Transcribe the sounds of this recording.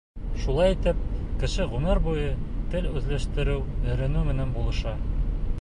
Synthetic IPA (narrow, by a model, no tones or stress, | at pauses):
ʃulˠɑjit̪ɘp̚kɘ̆ʃɘʁʉmɘɾbujɤt̪ɘlʉzlæʃt̪ɘ̆ɾɘwj̪ɘ̆ɾɘ̆nʉmɘ̆nænbulˠɤ̆ʃɑ